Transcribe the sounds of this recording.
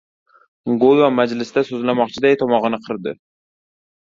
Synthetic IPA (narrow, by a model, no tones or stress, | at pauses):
ɡolˠvamad͡ʒlɪsd̪asɵzlamɒqt͡ʃʰɪd̪ajt̪ʰɒmɒʁɨnɪqʰɨɾd̪ɪ̰